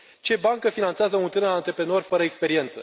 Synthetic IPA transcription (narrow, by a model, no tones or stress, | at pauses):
t͡ʃe̞baŋkəfinant̪seazəunt̪ɨnəant̪ɾe̞pɾe̞no̞rʲfəɾəekspe̞ɾie̞nt̪sə